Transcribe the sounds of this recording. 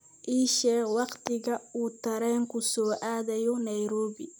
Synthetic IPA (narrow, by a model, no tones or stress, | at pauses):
ʔiːʃɛːwɑqt̪ʰɪɣɐuːt̪ʰɐɾɛːŋkʰʊsɔːʔaːðɐjɔnɐjɾɔːβɪ